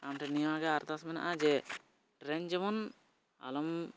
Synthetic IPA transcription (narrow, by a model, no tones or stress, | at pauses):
amʈɛniaɡɛaɾt̪asmɛna̰ʔad͡ʒɛ | ʈɾɛɲd͡ʒɔmɔn | a̰lɔm